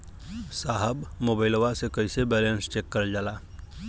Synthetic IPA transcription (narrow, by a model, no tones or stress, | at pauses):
saːɦəbmoːbaɪloʋasekəɪsebɛːlẽnst͡ʃeːkːəɾd͡ʒalaː